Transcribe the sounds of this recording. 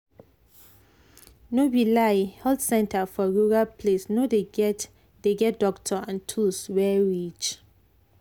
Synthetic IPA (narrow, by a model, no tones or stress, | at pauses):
nobilaɪhɛldsɛ̃ntʰafɔɹuɹalpʰlesnode | deɡɛt̚d̥ɔktʰɔãntʰuswɛɹit͡ʃ